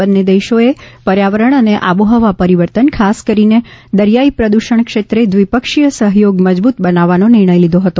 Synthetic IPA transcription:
ənːed̪eʃoepəɾjaʋəɾəɳ̃əneʔabuɦəʋapəɾiʋəɾt̪ənkʰaskəɾined̪əɾjaipɾəd̪uʃəɳkʃet̪ɾed̪ʋipəkʃijəsəɦjoɡməd͡ʒbut̪bənaʋːanonɪɾɳ̃əjlid̪ʱoɦət̪o

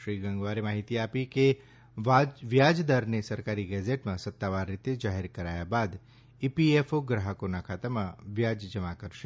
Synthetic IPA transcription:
ʃɾiːɡɐ̃ŋɡʋaːɾemaːɦit̪iaːpike | ʋaʋjaːd͡ʒd̪aɾnesɐɾkaːɾiɡɛːd͡ʒeʈmãsɐt̪ːaːʋaːɾːɪt̪ːed͡ʒaːɦɪɾkɐɾaːjabaːd̪ | ipiefoɡɾəɦəkonakʰaːt̪amãʋjaːd͡ʒd͡ʒɐmakəɾʃe

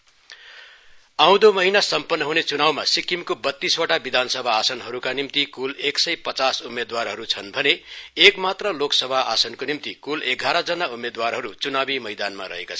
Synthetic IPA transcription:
aw̃d̪omʌɦinasʌmpʌnːʌɦunet͡sunawmasikimkobʌt̪ːiswoʈabid̪ʱansʌbʱaːsʌnɦʌɾukanimt̪ikuleksʌjpʌt͡sasumed̪warɦʌɾut͡sʰʌnbʱʌneekmat̪rʌloksʌbʱaasʌnkonimt̪ikuleɡʱaɾʌd͡zʌnaumed̪warɦʌɾut͡sunabimʌjd̪anma̰ɾʌ̰ɦḛkat͡sʰʌ

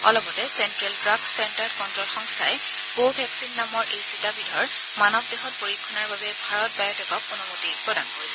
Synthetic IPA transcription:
ɔ̰lɔbɔtɛsɛntɹɛltɹakstɛndadkɔntɹolxɔŋstʰaɛ | kobʱɛksinːamɔɹʔejsitabidʱɔɹ | manɔb̚deɦɔt̚poɹikʰːɔnaɹbabɛbʱaɹɔt̚bajɔtɛkɔk̚ɔnɔmotipɹɔdankoɹisɛ

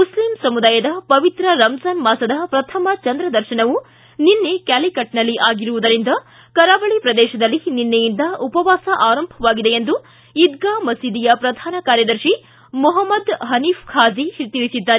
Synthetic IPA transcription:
muslimsɐmud̪aːjɐd̪ɐpɐʋit̪ɾɐɾɐmsaːnmaːsɐd̪ɐpɾɐt̪ʰɐmɐt͡ʃɐnd̪ɾɐd̪ɐɾʃɐnɐʋu | ninːekæːlikɐʈ̚nɐlːiʔaːɡiɾuʋud̪ɐɾind̪ɐ | kɐɾaːʋɐɭipɾɐd̪ɛːʃɐd̪ɐlːininːejind̪ɐupɐʋaːsɐʔaːɾɐmbʱɐʋaːɡid̪eend̪u | id̪̚ɡaːmɐsiːd̪ijɐpɾɐd̪ʱaːnɐkaːɾjɐd̪ɐɾʃi | muɦɐmːɐd̪ɦɐniːfkʰaːd͡ʒiʃt̪iɭisid̪ːaːɾe

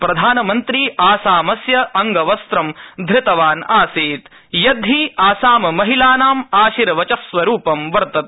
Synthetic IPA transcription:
pɾɐd̪ʱaːnɐmɐnt̪ɾiːʔaːsaːmɐsjɐɐŋɡɐʋɐst̪ɾɐmd̪ʱɾɪt̪ɐʋaːnaːsiːt̪ | jɐd̪ʱiːaːsaːmɐmɐɦilaːnaːmaːʃiɾɐʋɐt͡ʃɐsʋɐɾuːpɐmʋɐɾt̪ɐt̪̚

